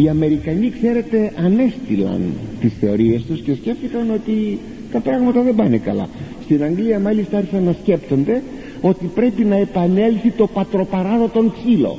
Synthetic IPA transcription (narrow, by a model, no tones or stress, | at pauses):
iɐme̞ɾikɐnikse̞ɾe̞t̪e̞ʔɐne̞st̪ilɐ̰nt̪isθe̞o̞ɾie̞st̪usce̞sce̞ft̪ikɐno̞t̪i | t̪ɐpɾɐɣmɐt̪ɐðembɐnekɐlɐ̰st̪inɐŋɡliɐmɐlist̪ɐɐɾçisɐnːɐsce̞pt̪o̞nd̪e̞ | o̞t̪ipɾe̞pinɐe̞pɐne̞lθit̪o̞pɐt̪ɾo̞pɐɾɐðo̞t̪o̞ŋksilo̞̰